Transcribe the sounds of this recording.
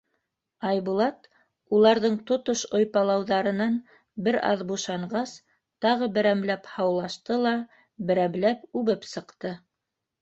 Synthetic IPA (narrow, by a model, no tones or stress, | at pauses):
ɑjβulˠɑt̪ | ulˠɑɾðɤɴt̪ŏt̪oʃojpɑlˠɑwðɑɾɤ̆nɑn | bɘɾɑ̰ðbuʃɑɴɢɑs | t̪ɑʁɤbɘ̆ɾæmlæphɑwlˠɑʃt̪ɤlˠɑ | bɘ̆ɾæmlæpʉβɘpsɤ̆qt̪ɤ